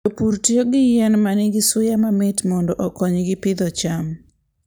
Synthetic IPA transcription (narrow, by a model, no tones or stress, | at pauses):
opuɾtioɡɪjɛnmanɪɡɪsʊjamamɪtmɔndɔʔɔkɔɲɡɪpɪd̪ɔt͡ʃam